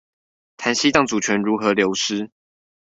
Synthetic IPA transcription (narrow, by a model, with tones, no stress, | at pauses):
t̪ʰa˨˥nɕi˥t̪ɑ˥˩ŋt͡su˨˩t͡ɕʰɥɛ˨˥nɻu˨˥xɤ˨˦ljo˨˧˥ʊʂɻ̩˥